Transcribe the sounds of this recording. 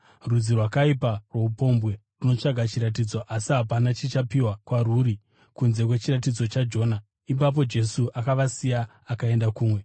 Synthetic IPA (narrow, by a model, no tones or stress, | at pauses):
rud͡zirwakaiparwe̞upo̞mbwe̞runo̞t͡ʂaɡʱat͡ʃiɾat̬id͡zo̞ʔasiɦapanat͡ʃit͡ʃapiwakwaruːɾi | kunze̞kwe̞t͡ʃirat̬id͡zo̞t͡ʃad͡ʒo̞ːna | ip̬ap̬o̞d͡ʒe̞suʔakaʋasijaː | kae̞ndakuːmwe̞